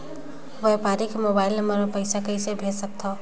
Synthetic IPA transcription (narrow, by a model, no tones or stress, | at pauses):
ʋəjpaɾikemobaɪləməɾmepəɪsakəjsebʱesək̚t̪ʰɔ